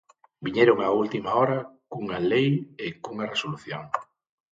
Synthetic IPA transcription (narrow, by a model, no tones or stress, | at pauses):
biɲeɾoŋault̪imaɔɾɐkuŋalejekuŋɐresoluθjo̰ŋ